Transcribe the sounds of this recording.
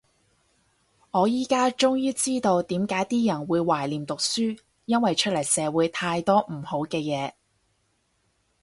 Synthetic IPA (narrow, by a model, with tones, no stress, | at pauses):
ŋɔː˨˧jiː˥kaː˥t͡ʃʊ˥ŋjyː˥t͡siː˥t̪o˧wt̪iː˨˥mkaː˨˥jt̪iː˥jɐ˨˩nwuː˨˧jwaː˨˩jliː˨˩mt̪ʊ˨k̚syː˥ | jɐ˥nwɐ˨jt͡ʃʰɵ˥t̚lɐ˨˩jsɛː˨˧wuː˨˥jt̪ʰaː˧jt̪ɔː˥m̩˨˩ho˨˥wkɛː˧jɛː˨˧